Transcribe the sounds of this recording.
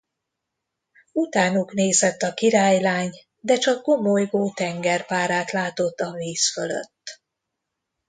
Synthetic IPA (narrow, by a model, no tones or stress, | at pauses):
ut̪aːnukneːzɛt̪ːɒkiɾaːjlaːɲ | d̪ɛt͡ʃɒkːo̞mojɡoːt̪ɛŋɡɛrpaːɾaːt̪laːt̪o̞t̪ːɒviːsfølø̰t̪ː